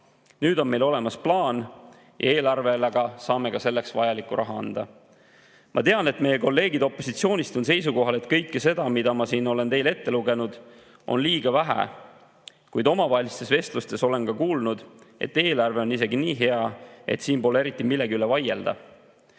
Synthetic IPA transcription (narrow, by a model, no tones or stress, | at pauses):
nyːd̪o̞nme̞jlo̞le̞mɑsplɑːn | jʔɑ̰e̞ːlɑrve̞leɡ̥ɑsɑːme̞kɑse̞lːe̞ksvɑjɑlikːˑṵɾʔɑɦɑɑ̰nd̪̥ɑ | mʔɑ̰t̪eɑne̞t̪me̞jelko̞lːe̞ːɡid̪o̞pːˑo̞sit̪sio̞ːnʲist̪und̪se̞js̬uko̞ɦɑle̞t̪kɤjkːese̞d̪̥ɑmid̪ɑmɑsiːno̞le̞nt̪e̞jle̞t̪ːe̞luɡe̞nud̪̥ | ʔo̞̰nliːɡ̥ɑvæɦæ̰ | kujd̪o̞mɑvɑɦelist̪e̞sve̞st̪lust̪e̞so̞le̞nkɑkuːlnud̪̥e̞̰t̪ːe̞ːlɑrve̞o̞nːise̞ɡiniːɦe̞ɑe̞̰t̪siːnpo̞lee̞ɾit̪ːˑimilːeɡiylevɑje̞ld̪̥ɑ̰